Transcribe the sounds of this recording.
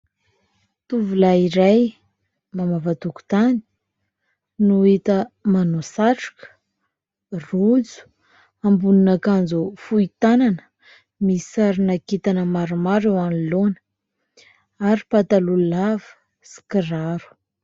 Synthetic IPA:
t̪uvulaiɾaj | mamavat̪uku̥t̪ani̥ | nuit̪əmanosaʈ͡ʂḁkə̥ | rud͡zu̥ | ambununakand͡zufuit̪ananə̥ | misaɾinakit̪anəmaɾumaɾewanilonə̥ | aɾipat̪alullavə̥ | si̥kiraɾu̥

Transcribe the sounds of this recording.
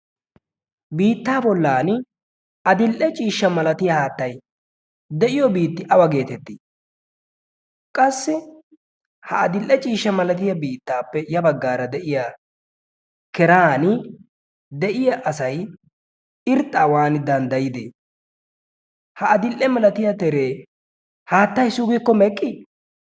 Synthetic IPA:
biːt̪ːaːbɔlːaːn | ɐd̪ɪlʔɛt͡ʃʼiːʃːɐmɐlɐt̪ɪjɐhaːt̪ːɐj | d̪ɛʔɪjɔbiːt̪ːɪʔɐwɐɡe̞ːt̪ɛt̪ːi | kʼɐsːɪ | hɐʔɐd̪ɪlʔːɛt͡ʃʼiːʃːɐmɐlɐt̪̬ɪjɐbiːt̪ːaːpːɛjɐbɐɡːaːɾɐd̪ɛʔɪjaː | kɛɾaːnɪ | d̪ɛʔɪjɐʔɐsɐj | ɪɾt̪ʼːaːwaːnɪd̪ɐnd̪ɐjɪd̪ḛː | hɐɐd̪ɪlʔɛmɐlɐt̪ɪjɐt̪ɛɾeː | haːt̪ːɐjsʊɡɪkːɔmɛkʼːɪ

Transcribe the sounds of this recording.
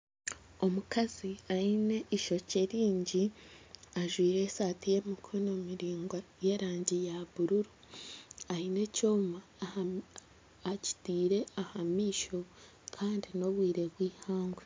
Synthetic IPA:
o̞mukaziaine̞ʔiʃo̞ceɾiːɲɟi | aʒwiːɾe̞saːtije̞mikʰono̞miɾiːŋɡaje̞ɾaːɲɟijaβuɾuɾu | aine̞co̞ːma | aci̥tiːɾe̞ahamiːʃo̞ | kʰaːndino̞βwiːɾe̞βwiːhaːŋɡwe

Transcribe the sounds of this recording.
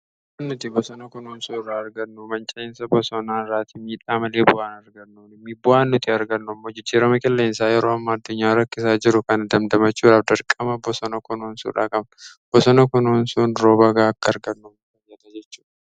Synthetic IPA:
bʊʔaːnːʊt̪ibɔsɔnɐkʊnoːnsuːɪrːaːɐɾɡɐnːʊmɐnt͡ʃʼeːnsɐbɔsɔnaːnɪrːaːt̪imiːᶑaːmɐle̞ːbʊʔaːnɐɾɡɐnːuːnɪmːibʊʔaːnːʊt̪ʰiɐɾɡɐnːʊɐmːoːd͡ʒɪd͡ʒːiːɾɐmɐkʼɛlːeːnsaːjɛɾoːɐmːaːɐd̪ːʊɲːaːɾɐkːɪsaːd͡ʒɪɾʊkɐnɐd̪ɐmd̪ɐmɐt͡ʃːuːᶑaːfd̪ɐɾkʼːɐmɐbɔsɔnɐkʊnoːnsṵːᶑaːkʼɐbnb̥ɔsɔnɐkʊnoːnsuːnɾoːbɐɡaːɐkːɐːɾɡɐnːʊmɐɐjːɐt̪ɐd͡ʒɛt͡ʃːu̥ːᶑɐ̥

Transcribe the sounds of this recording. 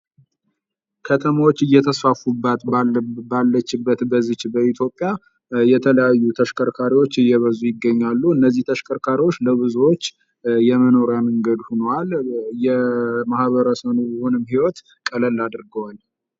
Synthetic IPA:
kʰət̪ʰəmawot͡ʃːɨjːɛt̪ʰəsfafubːat̪balːət͡ʃːɪbːət̪bəzɨt͡ʃbəit̪ʰjo̞pʼːja | jɛt̪ʰələjajːut̪ʰəʃkʰəɾkʰaɾiwo̞t͡ʃːɨjɛβəzujɪɡːəɲːalːuɨnːəzːiht̪ʰəʃkʰəɾkʰaɾiwo̞t͡ʃːləβɨzuwot͡ʃː | jɛməno̞ɾjaməŋɡəd̪hunwaljɛmahβəɾəsənujɛho̞nɨmhiwɔt̪ | kʼələlːad̪ɨɾɡəwal

